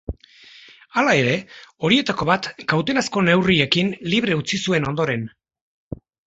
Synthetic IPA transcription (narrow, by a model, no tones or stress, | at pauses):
alae̞ɾe̞o̞ɾie̞t̪ako̞βat̪kawt̪e̞nasko̞ne̞wrie̞kinliβ̞ɾe̞ut͡sisue̞no̞nd̪o̞ɾe̞n